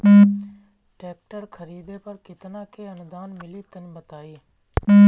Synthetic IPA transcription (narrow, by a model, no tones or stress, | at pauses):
ʈeːk̚ʈəɾkʰəɾiːd̪eːpəɾkɪt̪nãːkʰeːənd̪aːnmɪliːt̪ənbət̪aːiː